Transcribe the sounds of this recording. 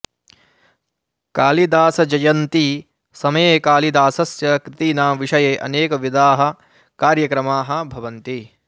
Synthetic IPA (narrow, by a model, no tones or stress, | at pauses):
kaːlid̪aːsɐd͡ʒɐjɐnt̪i | sɐmɐjeːkaːlid̪aːsɐsjɐkɾɪt̪iːnaːʋiʂɐjeːʔɐ̰neːkɐʋid̪aːɦɐ̆ | kaːɾjɐkɾɐmaːɦɐ̆bʱɐʋɐnt̪i